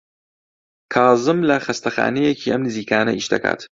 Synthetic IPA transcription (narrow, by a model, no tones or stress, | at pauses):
kʰɑːzɨmlɐxɐst̪ɐxa̰ːnejecʰiːʔɐmnɨziːkaːnɐʔiːʃd̪ɐ̰kʰa̰ːt̪